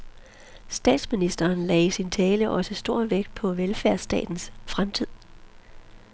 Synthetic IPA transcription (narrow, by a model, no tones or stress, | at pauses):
sd̥ɛ̰ːd̥sminisd̥ɐːnlɛ̰ːsint͡sʰɛːləʔɒ̽səsd̥o̝ɐ̰ʋeɡ̥d̥̚pʰɒ̽ʋelfæɐ̰sd̥ɛ̰ːd̥n̩sfʁamt͡sʰið̰ˠ